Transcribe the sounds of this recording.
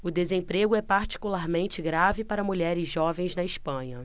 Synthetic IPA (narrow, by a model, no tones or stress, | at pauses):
ʊd̪ezẽpɾeɡʊɛpaɾt͡ʃi̥kulaɾmẽnt͡ʃɪɡɾavɪpaɾɐmuʎɛɾɪzʒɔvẽj̃znɐɪʃpɐ̃ɲɐ